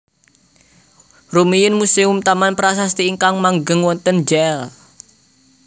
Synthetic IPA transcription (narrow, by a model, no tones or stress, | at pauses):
rumijʊnmuseʊmt̪amanpəɾas̬ast̪iːŋkaŋmaŋɡəŋwɔnt̪ənd͡ʒɛl